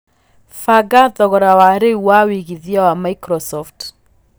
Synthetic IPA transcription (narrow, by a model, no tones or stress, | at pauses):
faɡaðɔɣɔɾawaɾeuwawiɣiðiawamaikɾɔsɔft